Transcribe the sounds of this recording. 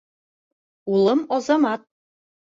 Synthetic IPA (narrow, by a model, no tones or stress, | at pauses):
ulˠɤmɒzɑmɑt̪̚